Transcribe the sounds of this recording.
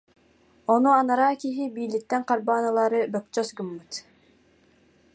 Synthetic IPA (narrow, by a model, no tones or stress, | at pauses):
ɔnuanaɾaːkiɦibiːlik̚t̪ːɛŋqaɾbaːnɯlˠaːɾɯbœk̚t͡ʃœsɡɯmːɯt̪